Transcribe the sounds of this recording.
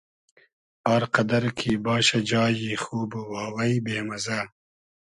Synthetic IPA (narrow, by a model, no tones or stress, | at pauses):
aːɾqɐd̪ɐɾkʰibɑːɕad͡ʒɑːjixuːbwaːwɐjbeːmɐza